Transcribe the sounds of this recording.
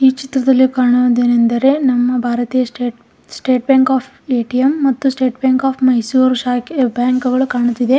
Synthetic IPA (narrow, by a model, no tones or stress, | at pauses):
iːt͡ʃit̪ɾɐd̪ɐlːikaːɳud̪eːnend̪ɐɾe̞nɐmːɐbʱaːɾɐt̪iːjɐsʈe | sʈe̞ːʈbjaːŋkaːpʰ | eːʈijɐmːɐt̪ːusʈe̞ːʈbjaːŋkaːpʰmɐjsuːɾʃaːkebjaːŋkuɡɐɭukaːɳut̪ːid̪e̞